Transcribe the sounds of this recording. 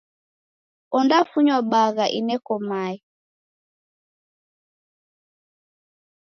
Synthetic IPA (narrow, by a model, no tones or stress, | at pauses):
ɔndafuɲwaɓaɣaʔinɛkɔmaɛ